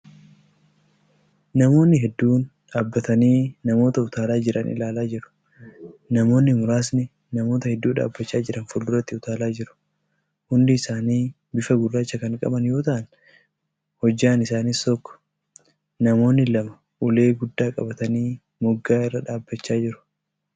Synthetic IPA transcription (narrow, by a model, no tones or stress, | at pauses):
nɐmo̞ːnːɪɦɛd̪ːuːnᶑaːbːɐt̪ɐniːnɐmo̞ːt̪ɐʊt̪aːlaːd͡ʒɪɾʔɐnʔɪ̰laːlaːd͡ʒɪɾʊ̥ | nɐmo̞ːnːɪmʊɾaːs̬nɪ | nɐmo̞ːt̪ɐhɛd̪ːuːᶑa̰ːbːɐt͡ʃːaːd͡ʒɪɾɐnfʊld̪ʊɾɐt̪ːɪʊt̪aːlaːd͡ʒɪɾʊ̥ | hʊnd̪ɪɪsaːniː | bɪfɐɡʊrːaːt͡ʃːɐkɐŋkʼɐ̰bɐnjo̞ːt̪ɐʔɐn | hɔd͡ʒːaːnɪsaːnist̪ɔkːɔ̥ | nɐmo̞ːnːɪlɐmɐ | ʔʊle̞ːɡʊd̪ːaːkʼɐ̰bɐt̪ɐniː | mʊɡːaːɪrːɐᶑaːbːɐt͡ʃːaːd͡ʒɪɾʊ̥